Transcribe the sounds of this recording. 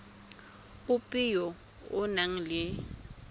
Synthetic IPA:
ʊpʼijɔ | ʊnaŋ̩lɪ

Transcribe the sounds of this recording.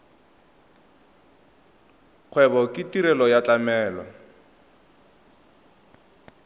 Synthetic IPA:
q͡χʰwɛbɔkʼɪtiɾɛlɔjat͡ɬʼamɛːlɔ̰

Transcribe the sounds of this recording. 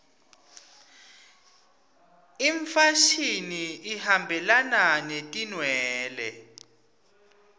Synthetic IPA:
iɱfaʃiniihambʱɛlananetʼinwɛːlɛ

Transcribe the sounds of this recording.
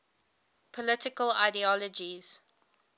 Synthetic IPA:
pʰɔlɪtɪkəla̰ɪdiɔləd͡ʒiz̥

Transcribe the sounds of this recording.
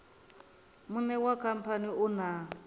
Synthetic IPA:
munɛwakʰam̩pʰaniuna

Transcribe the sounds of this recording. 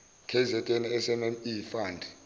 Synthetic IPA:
kʰɛzɛtʼeniɛsɛmɛmifaːndʱi

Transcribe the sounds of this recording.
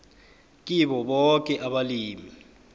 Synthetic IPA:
k̬ʼiɓɔɓɔk̬ʼɛʔaɓaliːmi

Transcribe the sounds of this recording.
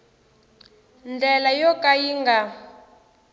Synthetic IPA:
nd͡ɮɛlajɔkʼajiŋɡa

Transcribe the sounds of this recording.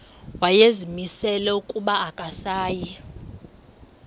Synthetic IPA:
wajezimisɛlɛukʼuɓaːkʼasaːji

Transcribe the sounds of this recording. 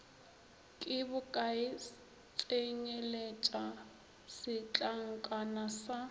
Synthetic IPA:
kʼɪbʊkʼaɪ | t͡sʼeɲelet͡ʃʼa | sɪt͡ɬʼaŋ̩kʼanasa

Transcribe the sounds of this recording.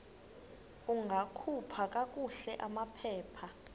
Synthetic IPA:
uŋɡʱakʰupʰak̬ʼak̬ʼuɬɛʔamapʰɛːpʰa

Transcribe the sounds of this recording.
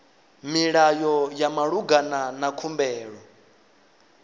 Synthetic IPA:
miɺajɔjamaɺuɡananakʰumbɛːɺɔ

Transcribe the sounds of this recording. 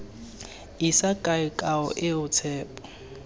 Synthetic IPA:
isakʼaɪkʼaʊ̰ʔɪʊt͡sʰɛːpʼɔ̥

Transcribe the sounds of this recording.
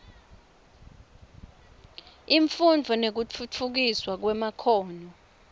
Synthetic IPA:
iɱfund͡vʱɔnek̬ut͡fʰut͡fʰuk̬iswak̬wɛmakʰɔːnɔ

